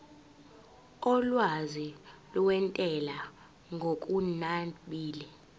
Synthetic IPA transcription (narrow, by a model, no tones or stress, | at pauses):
ɔlwazilɔwɛntʼɛla | ŋɡʱokʼunaɓiːlɛ